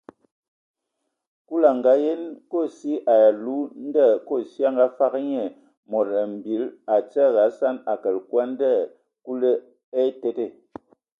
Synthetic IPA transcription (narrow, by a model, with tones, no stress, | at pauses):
ku˦la˨ŋ˨ɡa˦je˦nko˦˨si˦ʔa˨ja˨lu˦n˦də˦˨ko˦˨si˦a˦ŋɡa˦fa˦kɲe˨ | mo˨ɾə˨m̩˨bi˨˦la˨t͡sə˦˨ɣa˨˦sa˦na˨kə˨lkwa˦n˦də˦˨ | ku˦lə˦ | e˦te˦te˦˨